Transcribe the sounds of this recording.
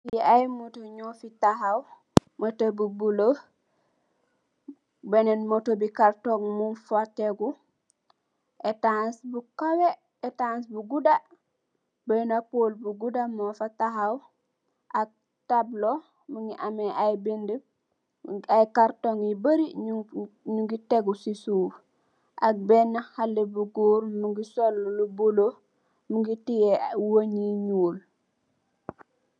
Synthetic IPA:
jiajmotoɲofitaɦaw | motobubulo | benɛnmotobikaɾtoŋmunfotːeɡu | ʔetansbukawe | ɛtansbuɡuda | bənapolbuɡudamofataɦaw | ʔak̚ | tablo | muŋɡiʔamɛʔajbində | ajkaɾtoŋjibəɾi | ɲuŋɡitɛɡusisuːf | ʔak̚bɛnːahalːebuɡuːɾmuŋɡisolːulubulo | muŋɡitijɛwoɲiɲuːl

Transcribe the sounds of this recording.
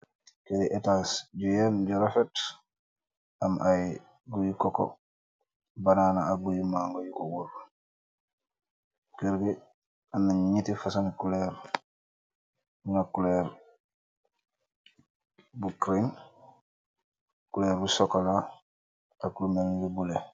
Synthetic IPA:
kediʔetaːsɟujenɟuɾafet | amʔaji | ɡujikoko̰ | banaːnaaɡujimaːŋɡojukowuɾ | kiɾɡi | anːaɲɲitifasanikuleɾ | ŋakuleːɾ | bukɾin | kuleːɾbusokola | akulumelɡubule

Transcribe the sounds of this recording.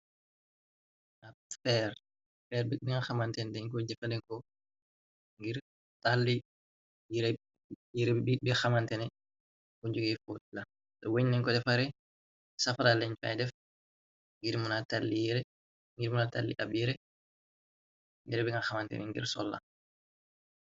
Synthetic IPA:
afɛɾ | fɛɾbibiŋaxamantɛndɛŋkɔd͡ʒɛfalɛŋkɔ | ŋɡiɾ | talːi | jiɾɛ | jiɾɛbibixamantɛnɛ | kuɲd͡ʒuɡɛfotla | sɔwoɲnɛŋkɔdɛfaɾɛ | safalalɛɲfa̰jdɛf | ŋɡiɾmunatalːijɾɛ | ŋɡiɾmunatalːḭʔabjiɾɛ | ŋɡiɾɛbiŋaxamantɛ̰nɛ̰ŋɡḭɾsɔ̰lːa̰

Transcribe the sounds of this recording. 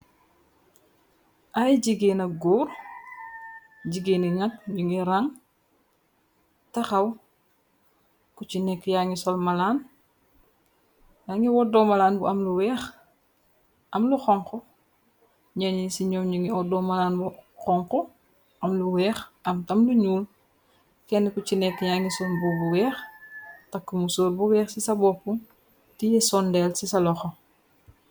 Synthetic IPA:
ʔajɟiɡenɐɡuːɾ | ɟiɡeːniŋɐt̚ɲuŋiɾaŋ | tɐxɐw | kucinɛkːjaŋisɔlmɐlaːn | jaŋiwɔdɔmɐlaːnbuʔɐmluwɛːx | ʔɐmluxɔŋkɔ | ɲaɲisiɲɔmɲiŋiɔdɔmalaːnbukɔŋkɔ | ʔɐmluwɛːxʔɐmtɐmluɲuːl | kɛnːɛkut͡ʃinɛkːjaŋisɔlbɔbuwɛːxtɐkːumusoːlbuwɛːxsisɐbɔpːuŋ | tijɛsɔndɛlsisɐlɔxɔ

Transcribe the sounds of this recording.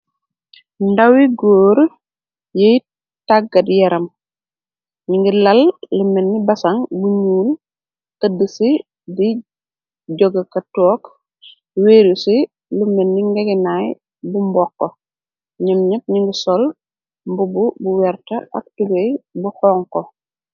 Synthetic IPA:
ndawiɡoːɾ | jej | taɡːɐdjɛɾɐm | ɲiŋɡilɐllumenːibɐsɐŋbuɲuːn | ʔədːəsi | di | ɟoɡɐkɐtɔːk | weːɾusi | lumenːiŋɡeɡɛnaj | bumbɔkːo | ɲimɲip̚ɲiŋɡisɔl | mbububuwɛɾtɐʔɐ̰k̚tuɡejbuhɔːŋko

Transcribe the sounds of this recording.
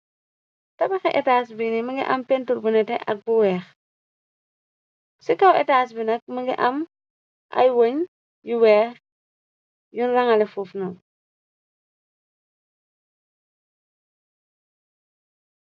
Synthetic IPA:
tɐbɐxɛʔɛtaːs̬binimɐŋɡḭʔɐmpɛntuɾbunɛtɛʔɐ̰k̚buwɛːx | sikawɛtaːs̬binɐk̚mɐŋɡiʔɐm | ʔa̰jwoɲ | juwɛːx | junrɐŋɐlɛfuːfnɔ

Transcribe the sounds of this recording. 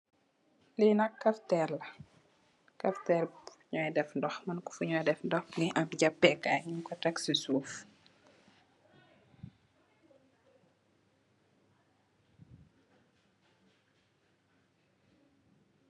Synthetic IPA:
linɐkːɐftɛlɐ | kɐftɛluɲɔjdɛfndɔxmɐnkɔ̥fuɲɔjdɛfndɔxniʔɐkɟapːɛkaɲumkɔtɐksisuːf

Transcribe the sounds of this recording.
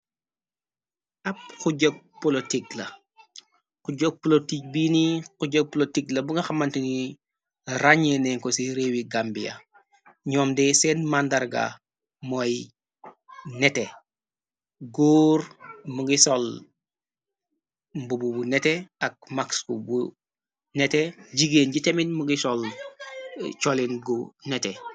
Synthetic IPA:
ap̚xuɟɔɡ̚polotiklɐ | kuɟoɡ̚polotik̚binikuɟok̚pɔlotiklɐbuŋɡɐxamantini | ɾaɲenɛŋkɔsiɾeːwiɡambija̰ | ɲɔːmdɛsɛnmandaɾɡa̰ | mɔj | nɛte | ɡoːɾmuɡisol | mbububunɛteak̚makskṵbu | nɛteɟiɡeːnɟiteminmuɡisɔl | t͡ʃɔlinɡunɛtɛ

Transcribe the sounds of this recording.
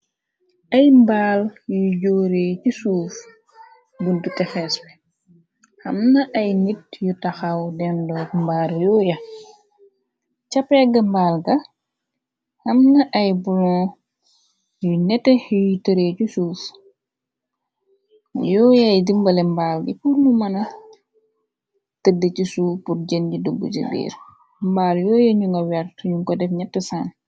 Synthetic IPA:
ɐjmbaːljuɟoːɾecisuːf | ɡundutɛfɛːsbɛ | hɐmnɐʔɐjnit̚jutɐxawdɛndɔːkmbaːɾjɔːjɐ | t͡ʃapɛɡɐmbaːlɡɐ | hɐmnɐʔɐjbulɔ̃ː | junɛtɛjitəɾecusuːf | jɔːjɐjdimbɐlɛmbaːlɡḭpurlumɐnɐ | tədəcisupuɾɟənɟidubːṵd͡ʒə̰bḭːɾ | mbaːljɔːjɐɲuŋɡɐwɛrtɲuŋkɔdɛfɲɛtːəsan

